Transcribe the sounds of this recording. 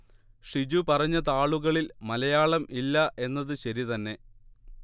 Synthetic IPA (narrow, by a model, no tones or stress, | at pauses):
ʂid͡ʑupɐrɐɲːɐt̪aːɭuɣɐɭilmɐlɐjaːɭɐmʔilːɐʔe̞nːɐðɨɕɐɾit̪ɐnːe̞